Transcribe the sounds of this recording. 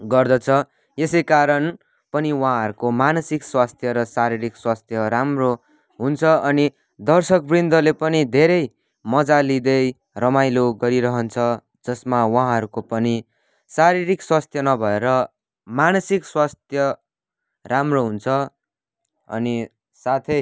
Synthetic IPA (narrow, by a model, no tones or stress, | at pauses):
ɡʌrd̪ʌt͡sʰʌ | jesʌjkaɾʌn | pʌniwʌ̃ɦãɦʌɾukomanʌsikswast̪ʰjʌɾʌsaɾiɾikswast̪ʰjʌɾamro | ɦunt͡sʰʌʌni | d̪ʌrsʌkbrind̪ʌlepʌnid̪ʱeɾʌj | mʌd͡zalid̪ʌj | rʌmajloɡʌɾiɾʌɦʌnt͡sʰʌ | d͡zʌsmawʌ̃ɦãɦʌɾukopʌni | saɾiɾikswast̪ʰjʌnʌbʱʌeɾʌ | manʌsikswast̪ʰjʌ | ramroɦunt͡sʰʌ | ʌ̰ni | sat̪ʰʌ